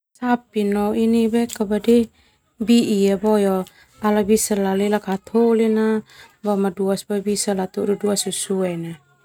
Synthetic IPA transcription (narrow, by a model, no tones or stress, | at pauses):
sapinɔinibɛkabadi | biʔiabɔjɔ | alabisalalilakat̪ʰolinabamaduasbɔbisalat̪uʔduduasusuɛna